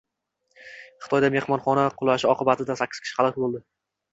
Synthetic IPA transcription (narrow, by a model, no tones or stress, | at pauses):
χɨ̥t̪ʰɒjd̪ame̞hmɒnχɒnaqʰʊlˠaʃɪɒqʰɨbat̪ʰɪd̪asakʲːɪz̥kʲʰʃɪ̥χɑlˠɨqbolˠd̪ɪ